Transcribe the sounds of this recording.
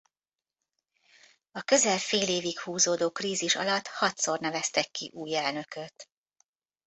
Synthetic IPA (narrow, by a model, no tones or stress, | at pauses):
ɒkø̞zɛlfeːleːvikhuːzoːd̪oːkriːziʃɒ̰lɒt̪hɒt̪sornɛvɛst̪ɛkːiʔuːjɛlnøkøt̪